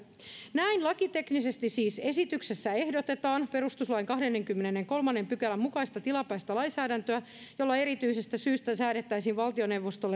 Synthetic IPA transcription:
næinlɑkit̪e̞knise̞st̪isiːse̞sit̪ykse̞sːæe̞hdo̞t̪e̞t̪ɑːnpe̞ɾust̪uslɑiŋkɑɦdenːe̞ŋkymːenenːeŋko̞lmɑnːe̞mpykælːæmːukɑist̪ɑt̪ilɑpæːst̪ælɑjnsæːdænt̪øæ | jo̞lːɑe̞ɾit̪yise̞st̪æsyːst̪æsæːɾet̪ːæjsiːnʋɑlt̪io̞ne̞wʋːost̪olːe

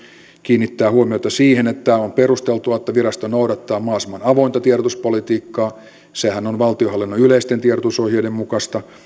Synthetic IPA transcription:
kiːnːit̪ːæːhuomiot̪ɑsiːhenet̪ːæomperust̪elt̪uɑet̪ːæʋirɑst̪onouɾɑt̪ːɑːmɑːsimɑnɑʋoint̪ɑt̪ieɾot̪uspolit̪iːkːɑː | sehænonʋɑlt̪iohɑlːinːoyleist̪ent̪ierŏt̪usohjeidemmukɑst̪ɑ

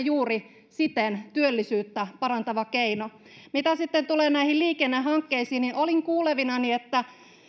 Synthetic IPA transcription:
juːri | sit̪ent̪yølːisyːt̪ːæpɑrɑnt̪ɑʋɑkeino | mit̪æsit̪ːent̪uleːnæihilliːkenːeɦɑŋkːeisiːnniʔoliŋkuːleʋinɑniet̪ːæ

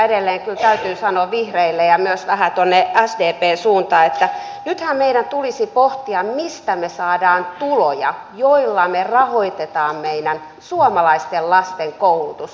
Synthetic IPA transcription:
edelːeːŋkylt̪æyt̪yːsɑnoːʋihreilːejɑmyøsʋæhæt̪uonːeæsdeːpeːsuːnt̪ɑːet̪ːæ | nyt̪hæmmeiɾænt̪ulisipoht̪iɑmmist̪æmesɑːdɑːnt̪ulojɑ̰joilːɑmerɑhoit̪et̪ɑːmmeinæn | suomɑlɑist̪ellɑst̪eŋkoulut̪us

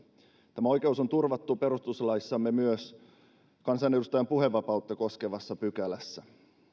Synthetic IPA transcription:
t̪æmæojke̞uso̞nt̪urʋɑt̪ːupe̞ɾust̪uslɑisːɑmːemyøs | kɑnsɑne̞dust̪ɑjɑmpuɦe̞ʋːɑpɑut̪ːeko̞skeʋɑsːɑpyk̟ælæsːæ

